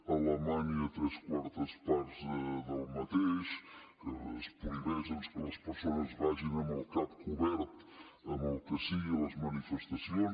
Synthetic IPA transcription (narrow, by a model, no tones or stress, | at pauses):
ɐləmaɲɐt̪ɾɛskwaɾt̪əspaɾzdəd̪əlˠmɐt̪eʃkəəspuɾiβɛzəsləspəɾsonəzvaʒinɐmɐlˠkat̪̚kʰuβɛɾt̪ | ɐmɐlˠkəsiələzmɐnifəst̪ɐsjon